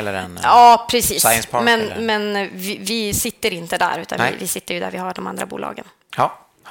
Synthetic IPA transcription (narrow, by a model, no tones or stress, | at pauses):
lːəɛnɑːpʰɾɛsiːsspʰɑmɛnmɛnvɪvɪsɪt̪ːəɾɪnt̪əd̪æ̰ːɾʉ̟ːt̪a̰nvɪ̰vɪsɪt̪ːəɾjɵd̪æ̰ɾvɪhaɖɔmand̪ɾabuːlɑ̰ːɡən